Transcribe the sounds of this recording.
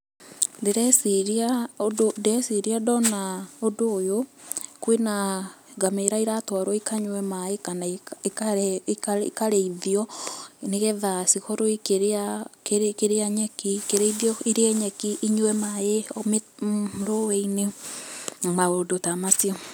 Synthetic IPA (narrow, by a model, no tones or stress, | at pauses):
deɾɛsiɾiaododɛsiɾiadɔnaodoːjokwenaɡameɾaiɾatwaɾwɔikaɲwɛmajekanaekakaḭkaɾeiðiɔneɣɛðasikoɾoikeɾeakeɾkeɾeaɲɛkikeɾeiðjɔiɾeɛɲɛkiʔːɲuɛmajeomeɾoweine | maodotamasiɔ